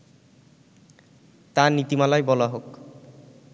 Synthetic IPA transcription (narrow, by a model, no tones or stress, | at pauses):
t̪anit̪imalajbɔlaɦok